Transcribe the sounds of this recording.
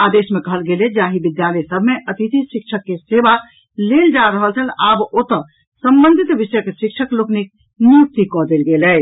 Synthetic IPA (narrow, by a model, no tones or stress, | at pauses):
ad̪esmekəɦəlɡeled͡ʒaɦibid̪jalɛsəbʱmeʔət̪it̪ʰiʃik̚t͡ʃʰəkːeseba | leld͡ʒaɾəɦəlt͡ʃʰəlabot̪ə | səmbənd̪ʱit̪ʋisjkeʃikt͡ʃʰəkloknik̚ | nuɾt̪ikɔd̪elɡelɛ